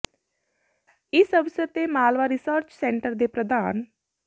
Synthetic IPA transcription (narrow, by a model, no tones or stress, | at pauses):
isəʋsjət̪emaːlʋaɾisəɾt͡ʃseɳʈəɾd̪epɾəd̪ʱaːn